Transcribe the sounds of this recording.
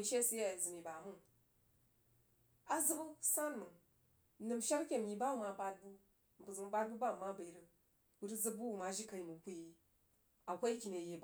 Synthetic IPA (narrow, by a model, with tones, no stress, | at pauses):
i˨ʃe˦˨sɨ˦ja˦i˨zɨ˨ni˨ba˨mu˦ŋ | a˨zɨ˦bu˦sa˦nmɨ˨˦ | nɨ˨mʃa˦ɾkʲe˦m˨ji˨ba˦u˦ma˨ba˧d̚bu˦ | m˨bu˨zɨ˨ŋ˦ba˦d̚bu˦ba˦˨ma˦ba˨i˨ɾɨ˨ | bu˦ɾɨ˦zɨ˦bu˦u˨ma˨ʒi˦ka˨i˨mu˨kʷu˦i˨ | a˨kʷa˦kʲi˨ne˨je˨b